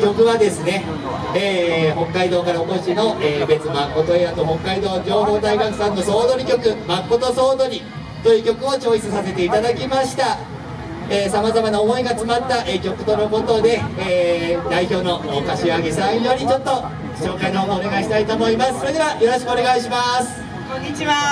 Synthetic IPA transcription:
kʲo̞kɯ̟βad̪e̞sɨne̞ | eːhõ̞ŋkːaid̪o̞ːkaɾaoko̞ɕino̞ʔeːbe̞t͡sɨmakːo̞t̪o̞eat̪oɦõ̞ŋkːaid̪o̞ːd͡ʑo̞ːɦo̞ːd̪aiɡakɯ̥sãnːo̞so̞ːd̪o̞ɾʲikʲo̞kɯ̟makːo̞t̪o̞so̞ːd̪o̞ɾʲi | t̪o̞jɯ̟ːkʲo̞kɯ̟o̞t͡ɕo̞ːçi̥t͡sɨsase̞t̪e̞it̪ad̪akʲimaɕi̥t̪a | eːsamazamanaomo̞iɡaːt͡sɨmat̪ːaʔekʲo̞kɯ̟̥t̪o̞noko̞t̪o̞d̪e̞ː | d̪aiço̞ːno̞ʔkaɕiaɡesãɰ̃jo̞ɾʲit͡ɕo̞t̪ːo̞ | ɕo̞ːkainoɦoːd̪oːne̞ɡaiɕi̥t̪ait̪o̞ːmo̞imasɨ̥so̞ɾe̞d̪e̞βajo̞ɾo̞ɕi̥kɯone̞ɡaiɕimasɨ̥ | kõɲit͡ɕiβa

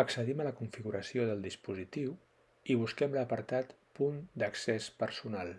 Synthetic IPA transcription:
əksəðimələkuɱfiɣuɾəsioðəlˠd̪ispuzit̪iw | iβ̞uskɛmləpəɾt̪at̪pund̪əksɛspəɾsunalˠ

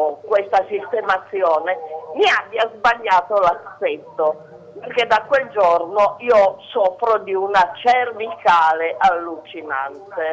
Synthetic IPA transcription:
kwest̪asist̪emat̪sːjɔːnemiabːjazbaʎːaːt̪olaset̪ːo | perked̪ːakːweld͡ʒɔrnoiːosɔfɾod̪iunat͡ʃɛrvikaːleʔalːut͡ʃina̰nt̪e

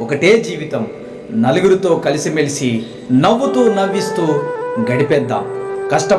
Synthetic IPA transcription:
ɔkɐʈe̞ːd͡ʒiːʋit̪ɐm | nɐluɡuɾut̪o̞ːkɐlisimelisi | nɐʋːut̪uːnɐʋːist̪uːɡɐɽipɛd̪ːa̰ːmkɐʂʈɐ

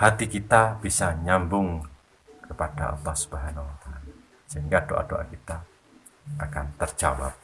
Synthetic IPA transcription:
hat̪ikit̪ab̥isaɲambʊŋ | kəpada̰ʔɑ̰lˠːɑhsu̥bəɦanahuat̪aːla | səɦiŋɡadoʔa̰doʔa̰kit̪a | akant̪ərd͡ʒaba̰p̚

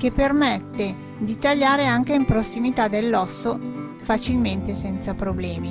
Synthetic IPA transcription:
kepːermet̪ːe | d̪it̪aʎːaːɾeaŋk̟eimpɾosːimit̪ad̪elːɔsːo | fat͡ʃilment̪esɛnt̪sapɾoblɛːmi

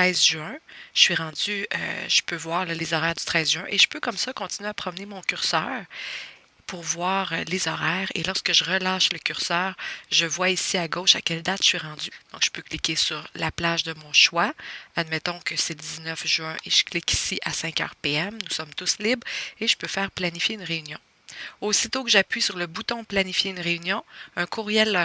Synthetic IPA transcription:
t̪ɛzʒyɛ̃ʒəsɥiʁɑ̃d͡z̪yø̰ʒ̥əpøvwaːʁlɔlezɔʁɛːʁd̪yt̪χɛːzʒyɛ̃ʔeʒə̥pøkɔmsʌkɔ̃t̪inyɥeapχɔmnemɔ̃kʲyʁsœ̰ːʁ | puʁvwaːʁlezɔʁɛːʁḛlɔʁskəʒəʁəlɑːʃləkʲyʁsœːʁʒəvwaisiaɡoʊʃakʲɛld̪at̪ʃəsɥiʁɑ̃dzyd̪̥ɔ̃kʒ̥ə̥pøklikʲesyʁlaplaʒd̪əmɔ̃ʃwaad̪mɛt̪ɔ̃kəsɛləd̪iznœfʒyɛ̃ʔeʒ̥ə̥klɪki̥siʔasɛ̃kœ̰ːʁpeɛmnusɔmt̪ʊslibʁeʒə̥pøfɛːʁplanifjeynʁeynjɔ̃ | osit̪okəʒapɥisyʁləbut̪ɔ̃planifjeynʁeynjɔ̃œ̃kʰuʁjɛl

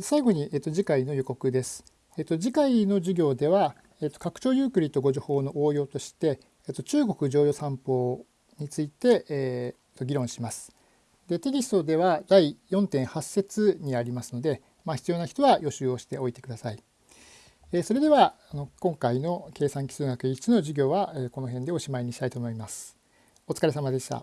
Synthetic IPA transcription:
saiɡo̞ɲ̟iʔeːt̪ːo̞ʑikaino̞joko̞kɯ̟d̪e̞sɨ̥ | eːt̪ːo̞ʑikaino̞ʑɨɡʲo̞ːd̪e̞βa | et̪ːo̞kakɯ̟̥t͡ɕo̞ːjɯːkɯ̟ɾʲit̪o̞ɡo̞ʑoho̞ːno̞ʔoːjo̞ːt̪o̞ɕi̥t̪e̞ː | t̪ːot͡ɕɨːɡo̞kɯ̟ʑo̞ːjo̞ːsãmpo̞ː | ɲ̟it͡sɨit̪e̞ | t̪ːo̞ɡʲiɾõ̞ɰ̃ɕimasɨ̥ | d̪e̞t̪e̞kʲisɨ̥t̪o̞d̪e̞βad̪aijõ̞nt̪ẽ̞ɰ̃hasːe̞t͡sɨɲ̟iaɾʲimasɨno̞d̪e̞ | maçi̥t͡sɨjo̞ːnaçi̥t̪o̞βajo̞ɕɨːo̞ɕi̥t̪e̞o̞it̪e̞kɯ̟d̪asai | eso̞ɾe̞d̪e̞βaːno̞kõ̞ŋkaino̞ke̞ːsãŋkʲi̥sɨːŋɡakɯ̟it͡sɨno̞ʑiɡʲo̞ːβaeːko̞no̞ɦẽ̞nd̪e̞o̞ɕimaiɲ̟iɕi̥t̪ait̪oːmo̞imasɨ̥ | o̞t͡sɨ̥kaɾe̞samad̪e̞ɕi̥t̪a̰

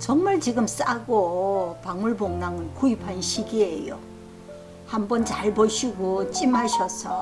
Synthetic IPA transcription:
t͡ɕʌŋmaɭt͡ɕiɡɯms͈aɡopaŋuɭboŋnaŋɯnkuipʰanɕʰiɡiejo̰ | hambʌnt͡ɕaɭboɕʰiɡot͡ɕ͈ʼimɦaɕʰʌsʰʌ

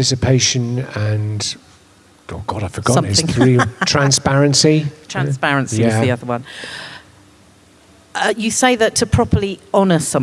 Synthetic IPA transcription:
ɪsɨpʰeɪʃə̃nə̃n | oɡ̥ɒɾaɪfəɡɔʌ̃mzɪ̃ŋɹiltʰɹ̥ãnspæɹə̃nsitʰɹ̥ãnspæɹə̃nsijæiʌðəwʌ̃n | ʔʌjəseɪðətʰəpʰɹ̥ɒpʰəliɒnəsʌ̃m

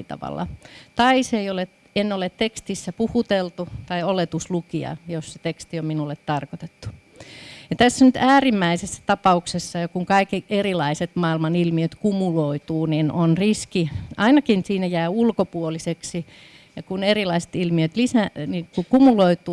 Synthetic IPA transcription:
t̪ɑ̰ʋɑ̰lːɑ̰t̪ɑiseiolet | enːolet̪t̪ekst̪isːæpuhut̪elt̪ut̪ɑiolet̪uslukiɑ̰josset̪ekst̪iomminulːˑet̪t̪ɑrkot̪et̪ːu̥ | jɑt̪æsːænyt̪æːrimːæisesːæ̥t̪ɑpɑuksesːɑjɑkuŋkɑikiʔerilɑiset̪mɑːilmɑnilmiøt̪kumuloit̪uːninʔonriskiʔɑinɑkinsiːnæjæːulkopuoliseksi | jɑkunerilɑise̥t̪ilmiøt̪lisænikukumuloit̪uː

